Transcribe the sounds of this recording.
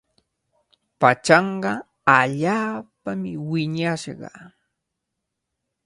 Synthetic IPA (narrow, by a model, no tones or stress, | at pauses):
pat͡ʃɑɴɢɑ | aʎaːpamɪwɪɲaʃɢɑ̰